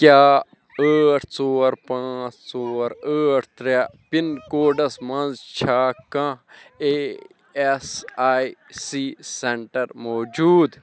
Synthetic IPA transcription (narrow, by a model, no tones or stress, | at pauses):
kʲjaː | əːʈʰt͡soːɾpãːt͡st͡soːɾəːʈʰt̪ɾapinkoːɖɐsmɐ̃nzt͡ʃʰaːkãe | esaːisiːseɳʈɐɾmoːd͡ʒuːd̪